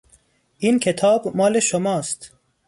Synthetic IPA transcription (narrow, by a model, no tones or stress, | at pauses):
ʔiːnkʰet̪ʰɒːbmːɒːleʃomɒːst̪